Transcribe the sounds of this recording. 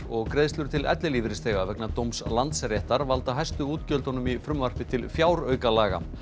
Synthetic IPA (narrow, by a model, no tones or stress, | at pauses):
ɔɣkɾeðst̪lʏɾ̥t̪ʰɪlʔɛ̰t̪lɪliːvɪɾɪst̪eːɣavɛknat̪owmslant̪srɛht̪aɾvalt̪aɦajst̪ʏuːt̪cœlt̪hɔnʏmifɾʏmvar̥pɪt̪ʰɪlfjaːwɾœːɥkalaːɣa̰